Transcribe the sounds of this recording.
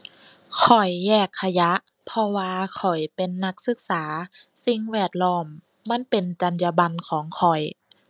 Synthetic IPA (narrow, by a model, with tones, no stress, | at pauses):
kʰɔ˨˩jːɛː˧˩kʰːa˧ja˧˦ʔ | pʰɔ˧waː˧kʰɔ˨˩jpe˨nːa˧˥k̚sɯ˧˥k̚saː˩˦si˧ŋwɛː˧˩t̪̚lɔː˧˩mː | a˧˥˨npe˨nt͡ɕa˨˦nja˧ba˧nkʰɔː˨˩˦ŋkʰɔ˨˩j